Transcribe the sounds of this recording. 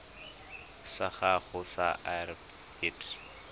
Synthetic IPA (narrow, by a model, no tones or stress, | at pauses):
saχaχʊsa̰ʔar | eːtʰ